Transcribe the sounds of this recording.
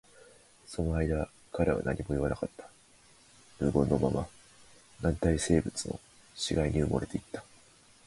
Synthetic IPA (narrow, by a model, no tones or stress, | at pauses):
so̞no̞aid̪a | kaɾaβa̰naɲ̟ʔimo̞iβanakat̪ːḁ | ɾɯ̟ːɡo̞nːo̞mama | nãnt̪aise̞ːbɯ̟t͡sɨno̞̰ | ɕiɡaiɲ̟iɯ̟moɾe̞t̪eit̪ːḁ